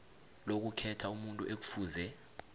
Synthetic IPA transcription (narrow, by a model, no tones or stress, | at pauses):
lok̬ukʰɛtʰaumuntʼṵʔek̬u̥fuːzɛ